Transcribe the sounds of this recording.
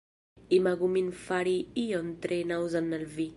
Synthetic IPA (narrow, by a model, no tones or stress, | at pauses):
imaɡuminfaɾiiɔnt̪ɾenawzanːalvi